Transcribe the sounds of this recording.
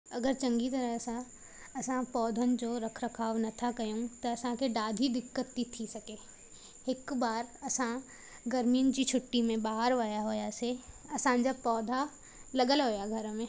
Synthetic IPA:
ɐɡəɾt͡ɕɐ̃ŋɡit̪ɐɾəɦsã | ɐsãpɔːd̪ʱənɪ̆d͡ʑoːɾɐkʰɾɐkʰaːʋnɐt̪ʰakɐjõt̪ɐɐsãkʰeɖaːd̪ʱid̪ɪkːət̪ːit̪ʰːisɐkeː | ɪkbaːɾɐsã | ɡɐɾmijənɪ̆d͡ʑit͡ʃʰʊʈːimẽbaːɦəɾʋaːjaɦoːjase | ɐsãd͡ʑapɔːd̪ʱa | lɐɡəlɦoːjaɡʱɐɾmẽː

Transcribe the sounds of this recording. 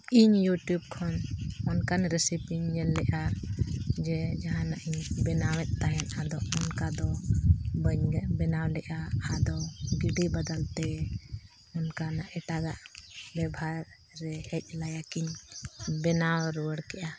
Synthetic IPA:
iɲjuʈjub̚kʰɔnɔnkanɾɛsipiɲːɛlːɛʔa | d͡ʒɛd͡ʒaɦãnaʔiɲbɛnawɛt̪̚t̪ːaɦɛnad̪ɔɔnkad̪ɔ | bəɲbɛnawlɛʔaad̪ɔɡiɖibəd̪alt̪ɛ | ɔnkanaʔɛʈaɡaʔbɛbʱaɾ | ɾɛhɛc̚ˀlajakiɲbɛnawɾɔwəɽkɛʔa

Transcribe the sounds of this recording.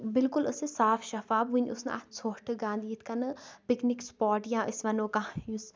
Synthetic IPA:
bɪlkʊləsẽːsaːfʰʃɐfaːbʋunʲʊsna̰a̰soːʈʰəɡãːnd̪iːɪt̪ʰkɐnəpɪknɪkspɔːʈjãːʔɪsʋɐnõːkãːus

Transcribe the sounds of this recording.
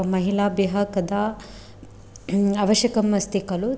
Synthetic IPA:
mɐɦilaːbjɐɦɐkɐd̪ɐ | aʋɐʃjɐkɐmːɐst̪ikɐlu

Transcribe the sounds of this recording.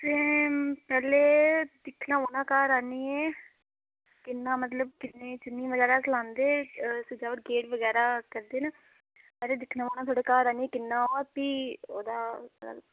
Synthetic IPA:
t̪eːpɛːleːd̪ɪkʰnãːʋoːnãːkaːɾaːniːɛː | kɪnːaːmət̪ləb̚kɪnːẽːt͡ʃɪnːiːʋəɡɛːɾaːt͡ʃəlãːnd̪eːsɪd͡ʒaːʋəʈ̚ɡeːʈʋəɡɛːɾaːkəɾd̪eːnaː | pɛːɾeːd̪ɪkʰnãːʋoːnãːt̪ʰoːɽeːkaːɾaːniːɛːkɪnːãːop̪iːo̰ːd̪aːa̰

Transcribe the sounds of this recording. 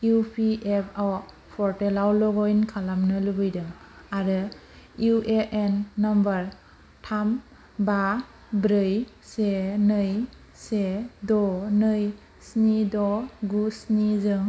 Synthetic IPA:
upʰiepʰaw | pʰɔɾtelawlɔɡɔjnkʰalamnɯlɯbɯjdɯŋ | aɾɯ | juʔeʔenːɔmbaɾ | tʰam | ba | bɾɯj | senɯj | sedɔnɯj | snidɔɡusnizɯŋ

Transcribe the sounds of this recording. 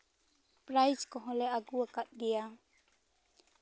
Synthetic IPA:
pɾajskɔɦɔ̃lɛaɡuakat̪̚ɡija

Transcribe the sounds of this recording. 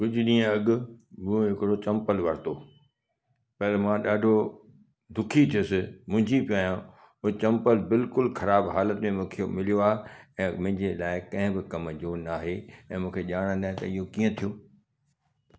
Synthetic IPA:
kʊd͡ʑʱʊɗĩːə̃ɐɡʊ̆mʊõɦɪkɪɽot͡ɕɐ̃mpəlʋɐɾt̪o | pɐɪlmãɗaːɖʱo | d̪ʊkʰit̪ʰijʊsɪmʊ̃ɦɪ̃ɲd͡ʑipijaːjã | ʊt͡ɕɐ̃mpəlbɪlkʊlxɐɾaːbɦaːlət̪mẽmũːkʰemɪlijoaːɦeɛ̃ːmʊ̃ɦɪ̃ɲd͡ʑelaːɪkɐ̃ɦɪ̃bɪkɐmd͡ʑonaːɦeɛ̃ːmũːkʰeʄaːɽ̃ə̃d̪aːɪ̃t̪ɐ̰ɪɦokiːə̃t̪ʰijoː

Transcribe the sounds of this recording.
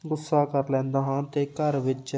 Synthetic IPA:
ɡʊsːaːkəɾlɛ̃ːnd̪aːɦãːt̪eːkəɾʋɪt͡ʃ

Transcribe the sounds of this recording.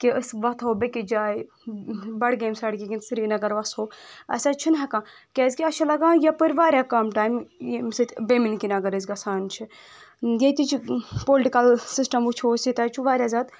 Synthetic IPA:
kiəsʋɐt̪ʰɦobekid͡ʒaːj | bɐɽɡemsɐɽkiɡinsiɾinɐɡɐɾʋɐshoːɐ̰sat͡ʃʰinɦɐkã | kʲɛzkiɐʃʰilɐɡãjɐpəɾʋaːɾʲjakamʈaːjmmsɨt̪ʰbeminkinɐɡɐɾɨzɡɐsʰaːnt͡ʃʰi | jet̪it͡ʃʰpolʈikɐlsisʈɐmut͡ʃʰoːsit̪ɐt͡ʃʰuʋaːɾʲjazaːd̪

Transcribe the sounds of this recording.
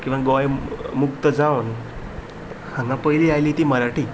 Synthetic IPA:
kĩʋaɡɔjmukt̪əd͡zaʋn | hãŋɡãpəjliːajliːt̪iːməɾaʈiː

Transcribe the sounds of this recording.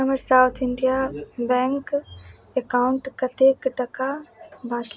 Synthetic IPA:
ɐməɾsaːʊt̪ʰɪɳɖijabɛ̃ːŋk | ekaʊ̃ɳʈkɐt̪ʰeːkʈɐkabãːk

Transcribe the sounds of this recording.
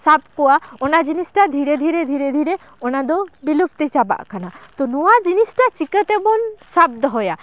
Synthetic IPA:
sab̚kɔwaɔnad͡ʒinisʈad̪ʱiɾed̪ʱiɾed̪ʱiɾed̪ʱiɾe | ɔnad̪obilupt̪et͡ʃaba̰ʔkʰanat̪ɔnɔwad͡ʒinisʈat͡ʃikət̪ebɔnsab̚d̪ɔɦɔja

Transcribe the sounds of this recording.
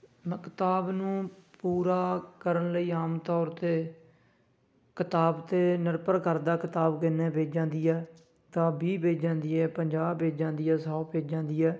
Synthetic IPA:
məkt̪aːbnũːpuːɾaːkəɾənləiːaːmt̪ɔːɾt̪eː | kɪt̪aːbt̪eːnəɾpəɾkəɾd̪aːkɪt̪aːbkɪneːbeːd͡ʒd͡ʒãːnd̪iːɛː | t̪ãːbiːbeːd͡ʒãːnd̪iːɛːpəɲd͡ʒaːbːeːd͡ʒd͡ʒãːnd̪iːɛːsaːpeːd͡ʒãːnd̪iːɛː

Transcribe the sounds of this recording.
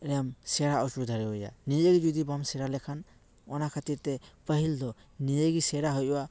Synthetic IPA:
ɾɛamsɛɾaɔsud̪ʱaɾɛɦɔja̰nijəɡid͡ʒud̪ibamsɛɾalɛkʰan | ɔnakʰat̪iɾt̪ɛpəɦild̪ɔnijəɡisɛɾaɦɔjwa

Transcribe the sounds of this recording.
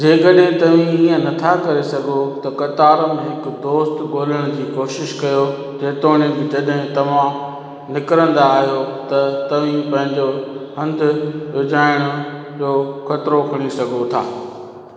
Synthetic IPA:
d͡ʑeːkɐɗɦɪ̃t̪ɐʋ̤ĩiːə̃nɐt̪ʰakɐɾesɐɡʱot̪ɐkɐt̪aːɾəmẽɦɪkʊd̪oːst̪ɡoːləɽ̃ʊd͡ʑiːkoːʃɪʃkɐjo | d͡ʑeːt̪oːɽ̃ebɪd͡ʑɐɗɦɪ̃t̪ɐʋ̤ã | nɪkɾə̃nd̪aːɦijot̪ɐt̪ɐʋ̤ĩpɐ̃ɦɪ̃ɲd͡ʑoɦɐ̃nd̪ʊʋʊd͡ʑaːɪɽ̃ʊ | d͡ʑoːxɐt̪ɪɾokʰɐɽ̃isɐɡʱot̪ʰa̰ː

